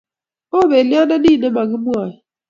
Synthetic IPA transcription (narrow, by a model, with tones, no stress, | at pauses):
o˦be˨li˦a˦na˦niː˦˨ne˦ma˨ɣɪ˦mu˦a˨jɪ˨